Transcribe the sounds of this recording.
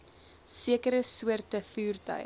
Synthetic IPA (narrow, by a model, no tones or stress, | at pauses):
siəkəɾəsuərtəfyːrtə̰